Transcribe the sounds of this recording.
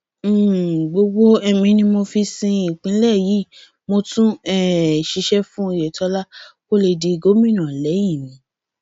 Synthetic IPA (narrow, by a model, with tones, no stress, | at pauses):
ɡ͡bo˧ɡ͡bo˦ɛ˧mĩ˧nĩ˧mo˧fi˧sĩ˧i˨k͡pĩ˨˦lɛ˦˨ji˨˦ | mo˧tũ˦ɛ˦˨ʃi˨˧˦ʃɛ˦fũ˦˧˨jɛ˨tɔ˧˦la˦ko˦le˧di˧ɡo˦mĩ˦˨nã˨lɛ˨˦jĩ˦˨mĩ˨˦